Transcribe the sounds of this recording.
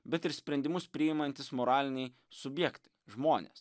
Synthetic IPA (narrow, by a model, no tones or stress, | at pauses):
bʲɛt̪ɪɾsʲpʲɾʲɛnʲd̪ʲɪmʊspʲɾʲɪɪmɐnʲt̪ʲɪsmoːɾɑːlʲɪnʲɛɪ | sʊbʲjɛkt̪ɐɪʒmoːnʲḛːs